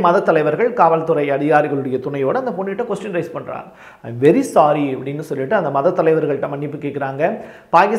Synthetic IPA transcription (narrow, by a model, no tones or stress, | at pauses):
mɐðɐt̪ːɐlɐɪʋɐɾɣɐɭkaːʋɐlt̪ːɯɾɐɪɐɽɪɣaːɾɪɣɐɭɯɽɐjɐt̪ʊɳɐjoːɽɯɐnd̪ɐpɔɳːɪʈːɐkʋɔsʈɐnɾɐɪspɐɳːɾa̰ːŋ | ɐ̰ɪmʋɛɾisaːɾiɐpːɐɽɪnːɯsɔlːɪʈːɯɐnd̪ɐmɐðɐt̪ːɐlɐɪʋɐɾɣɐɭʈːɐ̃mɐɳːɪpːɯkːeːʈkɪɾaːŋɡɐ | paːkɪs